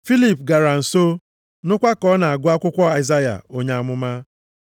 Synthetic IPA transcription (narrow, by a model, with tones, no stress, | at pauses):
fi˦li˨p̚ɡa˨ɾa˨n̩˨so˦ | nʊ˦kʷa˦kɔ˦na˨a˨ɡʊ˦a˦kʷʊ˦kʷɔ˦a˨za˦ja̰˨o˦ɲa˦a˨mʊ˦ma˦